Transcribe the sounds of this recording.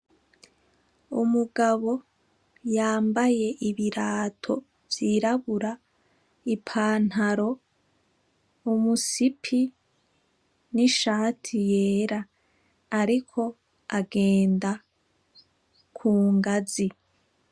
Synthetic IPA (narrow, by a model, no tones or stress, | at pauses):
umuɡaβo̞ | jaːmbaje̞ʔiβiɾaːtʰo̞ | v̥jiɾaβuɾa | ipʰaːn̥haɾo̞ | umusipʰi | niʃaːtʰijeːɾaː | ɾikʰo̞ | aɡe̞ːnda | kʰuːŋɡazi